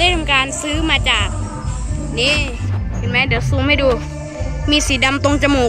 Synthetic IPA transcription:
ɯ˥˩˨mkaː˧nsɯː˦˥maː˧t͡ɕaː˨˩k̚ | niː˥˩ | pʰe˨˩ma˦˥dɯ˩˦wsuː˧˩ma˥˩jduː˧ | miː˧siː˩˦da˧mt̪o˧ŋt͡ɕa˧moː˨˩

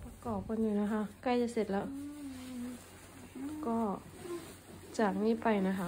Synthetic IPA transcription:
pa˧kɔː˨˩p̚ka˧˨nɲuː˧˩na˧˥kʰa˧˥ka˧˩˨jt͡ɕa˧˨se˧t̪̚lɛː˦˥w | kɔː˧˩ | t͡ɕaː˨˩k̚niː˧˥˨pa˨˩jna˧˥kʰa˧˥

